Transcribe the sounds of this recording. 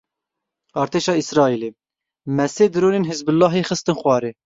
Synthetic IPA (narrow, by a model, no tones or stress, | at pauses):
ɑːɾt̪ʰeːʃɑːisɾɑːeːleː | mɛseːd̪ɨɾoːneːnɦɨzbɨlːɑːɦeːxɨst̪ɨnxwʷɑːɾeː